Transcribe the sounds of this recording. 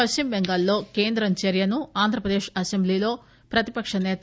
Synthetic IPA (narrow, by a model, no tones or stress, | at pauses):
ɐʃimbeŋɡɐlːo̞ːke̞ːnd̪ɾɐɲt͡ʃeɾjɐnuaːnd̪ʱɾɐpɾɐd̪eːʂɐsemblilo̞ː | pɾɐt̪ipɐkʂɐnɛːt̪